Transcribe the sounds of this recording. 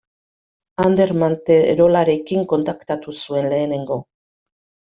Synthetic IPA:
and̪e̞ɾmant̪eɾo̞laɾe̞kiŋko̞nt̪akt̪at̪usue̞nle̞ːne̞ŋɡo̞

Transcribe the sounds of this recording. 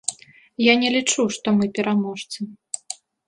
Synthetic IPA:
janʲɛlʲit͡ʂuʂt̪ɔmɨpʲɛɾamɔʂt̪sɐ

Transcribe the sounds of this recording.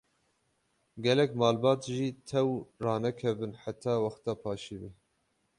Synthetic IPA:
ɡɛlɛkmɑːlbɑːt̪ʒiːt̪ʰɛwrɑːnɛkʰɛvɨnħat̪ʰɑːwɑxt̪ɑːpʰɑːʃibɨ

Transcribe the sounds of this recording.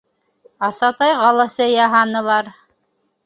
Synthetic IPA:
ɑsɑt̪ɑjʁɑlˠɑsɤjɑɦɑnɤ̆lˠɑɾ

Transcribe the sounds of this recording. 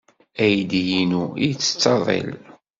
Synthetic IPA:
æjd̪jinuijt͡sːə̥t͡sːɑðˤḛl

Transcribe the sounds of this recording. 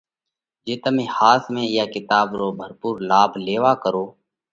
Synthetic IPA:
d͡ʒeːt̪əmẽːhaːsmẽːjaːkɪt̪aːbɾoːbʱəɾpuːɾlaːbʱleːʋaːkəɾoː

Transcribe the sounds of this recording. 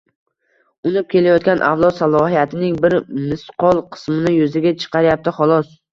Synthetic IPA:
ʊnɪp̚kʲe̞lajɒt̪̚kʲanʔa̰vlˠɒt̪salˠɒhijat̪ʰɪnɪŋbɪɾmɪsqʰɒlˠqʰɨ̥smɪnɪjʊzɪɡʲat͡ʃʰɨ̥qʰɑɾɪjap̚t̪ɪχɒlˠɒs

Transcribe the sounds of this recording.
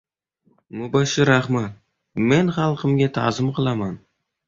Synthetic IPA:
mʊbaʃɪɾaχmat̪̚ | menχɑlˠqʰəmɡʲat̪ʰɑ̰zɨmqʰɨlˠɑman

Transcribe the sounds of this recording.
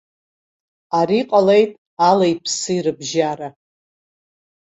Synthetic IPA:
aɾiqʼalejtʼ | alajpʰsɨiɾɨbʒaɾa

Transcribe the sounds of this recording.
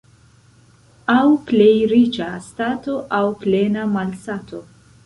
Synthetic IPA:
awplejɾit͡ʃastato̞ʔawplenamalsatʰo̞

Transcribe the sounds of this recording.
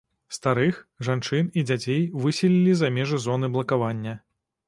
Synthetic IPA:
st̪aɾɨxʐant͡ʂɨnid͡zʲat͡sʲejvɨsʲilʲilʲizamʲɛʐɨzɔnɨblˠɐkavanʲːɐ

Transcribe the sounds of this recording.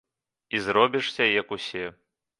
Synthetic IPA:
izɾɔbʲiʂsʲɐjɐkusʲɛ

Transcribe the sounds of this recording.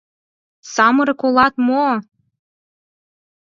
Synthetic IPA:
sɑmɤɾɤkolˠɑt̪mo

